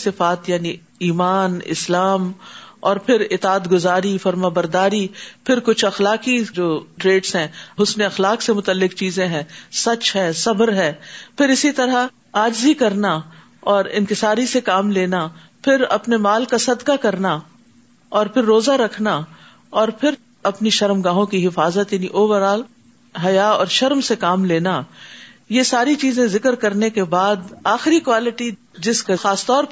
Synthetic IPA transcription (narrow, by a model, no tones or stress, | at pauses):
sɪfaːt̪jaːni | iːmaːnɪ̰slaːmɔːɾpʰɪɾɪt̪aːt̪ɡʊzaːɾifɐɾmaːbɐɾd̪aːɾipʰɪɾkʊt͡ʃʰɐxlaːkid͡ʒoːʈɾeːɖsɦɛ̃ɦʊsneɐxlaːksemʊt̪əlːɪkt͡ʃiːzẽɦɛ̃ːsɐt͡ʃɦɛːsɐbəɾɦɛːpʰɪɾɪsit̪ɐɾa | aːd͡ʒzikɐɾna | ɔːɾɪ̰̃nkɪsaːɾisekaːmleːna | pʰɪɾɐ̰pnemaːlkasɐd̪kakɐɾna | ɔːɾpʰɪɾːoːzaɾɐkʰna | ɔːɾpʰɪɾ | ɐpniʃɐɾmɡãːɦõkiɦɪfaːzət̪jaːniʔoːʋəɾaːl | ɦɐjaɔːɾʃɐɾmsekaːmleːna | jesaːɾit͡ʃiːzẽzɪkəɾkɐɾnekebaːd̪aːxɪɾikwaːlɪʈi | d͡ʒɪskaxaːst̪ɔːɾp